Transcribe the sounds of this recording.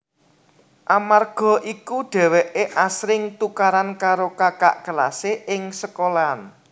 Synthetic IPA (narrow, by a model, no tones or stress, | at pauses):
ʔamarɡ̥ɔ̤ʔikuɖ̥ɛ̤wɛʔeʔasɾɪŋt̪ukaɾankaɾokaka̰ʔɡ̥əla̰seʔɪŋsəkolan